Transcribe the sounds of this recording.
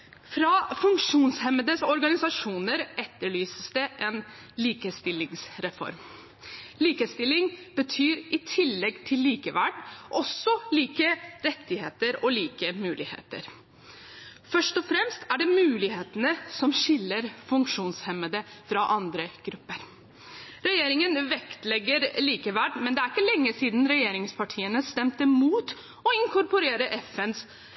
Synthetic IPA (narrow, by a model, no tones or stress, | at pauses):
fɾɑfʉŋkʂuːnshɛməd̪əsɔɾɡɑnɪsɑʂuːnəɾɛt̪ːəɭyːsəsd̪ɛʔɛn | liːkəst̪ɪlːɪŋsɾɛfɔ̰ɾm | liːkəst̪ɪlːɪŋb̥ət̪ʰyːɾʔɪt̪ʰɪlːɛɡt̪ʰɪlːiːkəʋæɖʔɔsːɔliːkəɾɛt̪ːɪheːt̪əɾɔliːkəmʉːlɪhḛːt̪ə̰ɾ | fœʂʈɔfɾɛmst̪æɖɛmʉːlɪheːt̪ənəsɔmɕɪlːəɾfʉŋkʂuːnshɛmːəd̪əfɾɑʔɑnd̪ɾəɡ̥ɾʉpːəɾ | ɾɛjeːɾɪŋənʋɛkt̪lɛɡːəɾliːkəʋæɖmɛnd̪ɛæɾɪkːəlɛŋːəsiːd̪n̩ɾɛjeːɾɪŋspʰɑʈʰiːənəst̪ɛmt̪əmuːt̪ | ɔɪŋkʰɔɾpɔɾeːɾəʔɛfɛns